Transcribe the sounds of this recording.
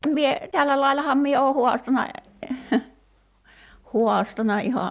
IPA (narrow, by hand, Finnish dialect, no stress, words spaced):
mie tælːæ lɑilɑhɑm mie oː huɑstɑnɑ huɑstɑnɑ ihɑ